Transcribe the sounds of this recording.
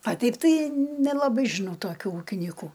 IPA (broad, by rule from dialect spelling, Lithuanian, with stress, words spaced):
ɐ ˈtʲɛɪp ˈtɐɪ nʲɛlˠɐˈbɐɪ ʒʲɪˈnɐʊ toːˈkʲuː ˈuːkʲɪnʲiːkʊ